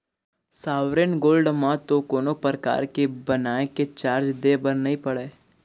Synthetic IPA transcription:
saːʋɾenɡoːlɖmãt̪okoːnopɾəka̰ːɾkebənaːeket͡ʃaːɾd͡ʒd̪eːbənnɐɦĩpɐɽeː

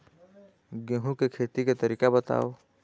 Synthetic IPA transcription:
ɡeɦũkekʰeːt̪iket̪əɾiːkabət̪a̰ːo

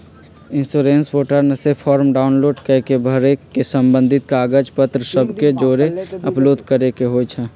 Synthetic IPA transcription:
ɪ̃nsoːɾẽːnspoːʈəɾnəsepʰɔːɾmɖaːʊnloːɖkəkebʱəɾekesə̃mbə̃nd̪ʱɪt̪̚kaːɡəd͡ʒpət̪ɾəsəbʱked͡ʒoːɾeɐploːd̪ʱkəɾekeɦoːt͡ʃʰɛː

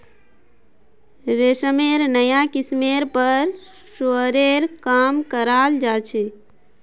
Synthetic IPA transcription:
ɾesəmeɾnəjakismeɾpəɾ | soɾeɾkaːmkəɾaːld͡ʒat͡ʃʰe

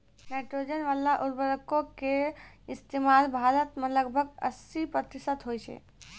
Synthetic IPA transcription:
naɪʈɾod͡ʒənʋalaʔuɾbəɾəkoke | ist̪emalbʱaɾət̪meləɡbʱəɡə̰sipɾət̪isət̪ɦojt͡ʃʰɛ̰

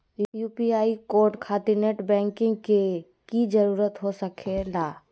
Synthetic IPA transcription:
juːpiaːikoːɾʈkʰaːt̪iɾneʈbɛ̃ːŋkɪ̃ŋɡke | kid͡ʒəɾuːɾət̪ɦosəkʰelaː

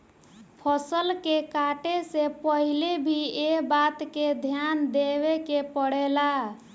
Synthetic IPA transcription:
pʰəsəlkekaʈesepəɦilebʱiebat̪ked̪ʱjand̪eβekepəɽela

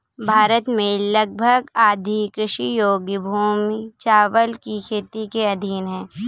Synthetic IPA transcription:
bʱaːɾət̪mẽlɐɡ̚bʱəɡaːd̪ʱikɾɪʃijoːɡbʱuːmit͡ʃaːʋəlkikʰeːt̪ikeɐd̪ʱiːnɦɛ̃ː

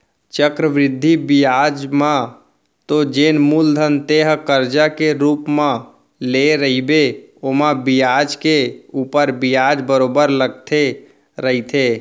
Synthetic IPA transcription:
t͡ʃəkɾəʋɾɪd̪ʱːibijad͡ʒma | t̪od͡ʒenmuld̪ʱənt̪eɦkəɾd͡ʒakeɾupmẽ | leɾəɦibeomãbijad͡ʒkeupəɾbijad͡ʒbəɾobəɾləɡ̚t̪ʰe | ɾəɦit̪ʰe

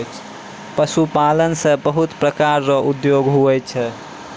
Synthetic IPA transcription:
t͡ʃʰ | pəsupalənsə̃bəɦut̪pɾəkaɾːɔʔud̪joɡɦuəjt͡ʃʰə

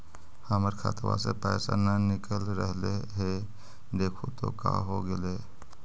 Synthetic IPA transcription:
haːməɾkʰa̰ːt̪ʋa̰sepɛːsanɐnɪkəlɾəɦleɦe | d̪eːkʰot̪o̰ka̰ɦoɡəleː

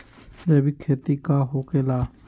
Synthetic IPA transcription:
d͡ʒeːbikʰeːt̪iːkaːɦoːkeːlaː

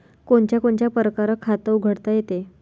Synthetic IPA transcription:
koɳt͡ɕjakoɳt͡ɕjapəɾəkaɾəkʰat̪əuɡʱəɽt̪ajet̪e

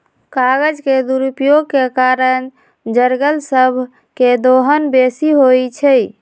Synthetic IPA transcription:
kaɡəd͡ʒked̪uɾupjoɡ̚kekaɾən | d͡ʒəɾɡəlsəbʱ | ked̪oɦənbesiɦojt͡ʃʰə

